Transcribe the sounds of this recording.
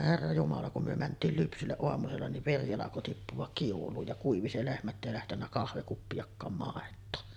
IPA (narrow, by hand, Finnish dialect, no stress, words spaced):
herːɑ jumɑlɑ kum myø mæntˑiːl lypsylːeʔ ʔoɑmuselːɑ niʋ ʋeri ɑlɑko tipːuʋ̆ɑk kiulˑuːj jɑ kuiʋi se lehmæ tːæ eˑi læhtenːæ kɑhʋekupːijɑkːɑːm mɑˑetˑoː